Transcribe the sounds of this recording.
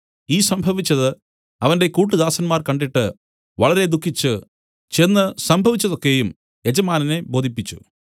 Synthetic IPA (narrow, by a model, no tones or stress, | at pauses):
iːsɐmbʱɐʋit͡ɕːɐðɨ | ɐʋɐnde̞kuːʈːɨd̪aːsɐnmaːrkɐɳɖiʈːɨ | ʋɐɭɐɾe̞d̪ukʰːit͡ɕːɨ | t͡ɕe̞nːɨsɐmbʱɐʋit͡ɕːɐðo̞kːe̞jum | e̞d͡ʑɐmaːnɐnebo̞ːd̪ʱipːit͡ɕːṵ